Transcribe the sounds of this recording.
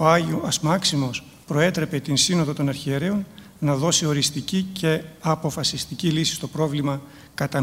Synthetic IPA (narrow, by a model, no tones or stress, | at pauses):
ɐsmɐksimo̞s | pɾo̞e̞t̪ɾe̞pe̞t̪insino̞ðot̪onɐɾçieɾe̞on | nɐðo̞sio̞ɾist̪icice̞ɐpo̞fɐsist̪icilisi̥st̪o̞pɾo̞vlimɐ | kɐt̪ɐ